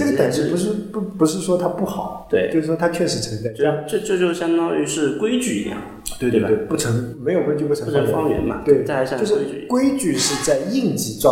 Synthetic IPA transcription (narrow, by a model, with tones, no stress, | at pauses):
ɤ˥˩ɡəə˨˩ʈ͡ʂɻ̩˥˩pu˧˥ʂ̬ɻ̩˥˩ppu˧˥ʂɻ̩˥˩ʂwɔ˥t̪ʰa˥pu˥˩xɑ˨˩ʊ˦t͡ɕ̪we˥˧t͡ɕo˥˧ʊʂɻ̩˥˩ʂwɔ˥t̪ʰa˥t͡ɕʰɥɛ˥˩ʂɻ̩˧˥t͡sʰɤ˧˥ŋt͡sa˥˩ɪt͡ɕo˥˩˥t͡ɕjo˥˧ʊt͡ɕjo˥˩ɕjɑ˥ŋt̪ɑ˥ŋy˧˥ʂɻ̩˥˩kwe˥ɪt͡ɕy̰˥˧˩i˧ljɑ̰˨˩ŋ | t̪we˥˧e˥˧˩we˥˩pu˥˩ʈ͡ʂʰɤ˧˥ŋme˧˥ɪjo˨˩kwɪt͡ɕy˥˧pu˥˩ʈ͡ʂʰɤ˧˥˩ŋɛ̰˧˥nmɐ̰˧t͡ɕ̪woe˥˩ɪt͡ɕa˥˧˥t͡ɕo˥˧ʊʂɻ̩˥˧kwe˥ɪt͡ɕy˥˧ʂɻ̩˥˧t͡sa˥˧ɪi˥˧ŋt͡ɕi˧˩ʈ͡ʂwɑ˥˧˩